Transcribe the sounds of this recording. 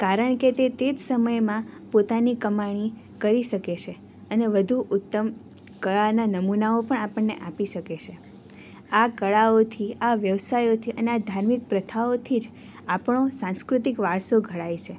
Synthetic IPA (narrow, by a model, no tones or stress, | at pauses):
kaɾəɳket̪et̪ed͡ʒsəməjmãpot̪anikəmaɽ̃i | kəɾiʃəket͡ʃʰe | əneʋəd̪ʱuʔʊt̪ːəm | kəɭananəmunaopəɳ̃apəɳːeʔapiʃəket͡ʃʰe | akəɭaot̪ʰiaʋjəʋsajot̪ʰiʔənead̪ʱaɾmik̚pɾət̪ʰaot̪ʰid͡ʒ | apɳ̃osãnskɾut̪ikʋaɭsoɡʱəɭajt͡ʃʰe